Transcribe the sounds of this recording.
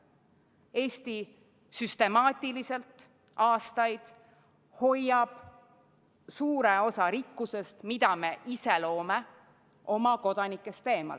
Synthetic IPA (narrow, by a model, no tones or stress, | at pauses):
e̞ːst̪i | syst̪e̞mɑːt̪ʲːˑilise̞lt̪ | ʔɑːst̪ɑjd̪̥ | ho̞jːɑb̥ | suːɾe̞o̞sɑɾikːuse̞st̪mid̪̥ɑme̞ʔise̞lo̞ːme | ʔo̞mɑko̞d̪̥ɑnikːˑe̞st̪e̞ːmɑ̰l